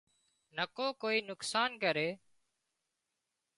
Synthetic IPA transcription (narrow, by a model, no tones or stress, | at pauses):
nəkoːkoːiːnʊksaːnkəɾeː